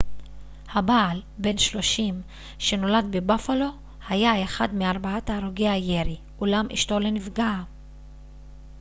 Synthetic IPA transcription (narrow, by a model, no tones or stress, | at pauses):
habaːlbe̞nʃlo̞ʃim | ʃe̞no̞ladbebafalo̞ | hajaeχadmeaʁbaataːʁoɡeajeʁi | ʔulamʔḭʃto̞le̞nivɡa